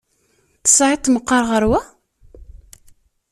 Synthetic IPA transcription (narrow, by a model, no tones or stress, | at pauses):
θə̥sʕɪt̪ˤːməqːɑɾˤʁəɾwæ